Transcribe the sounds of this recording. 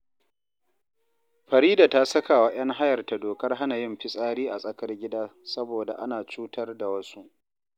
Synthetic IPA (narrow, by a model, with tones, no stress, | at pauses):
ɸɐ˨ɾiː˦daː˨ta˦sɐ˦ka˨wa˦j̰ɐ˦ŋɦa˦jɐ˨rta˨doː˨kɐ˦rɦa˦na˨jɪ˦mɸɪ˦sʼaː˦ɾiː˦ʔa̰˨sʼɐ˦kɐ˦rɡʲɪ˦daː˦sɐ˦boː˨da̰˨ʔa˦naː˨t͡ʃuː˦tɐ˦rda˨wɐ˦su˦ʔ